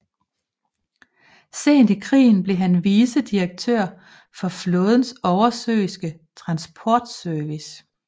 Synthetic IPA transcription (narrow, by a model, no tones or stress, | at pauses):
se̝̰ːnd̥ikʰʁḭːn̩b̥le̝ɦænʋiːsəd̥iʁɐɡ̥̚t͡sʰøɐ̰ | fɒ̽flɔːð̞ˠən̩sɒʊɐsø̰ːɪsɡ̥ət͡sʰʁɑ̈nsb̥ʰɒːd̥søɐʋis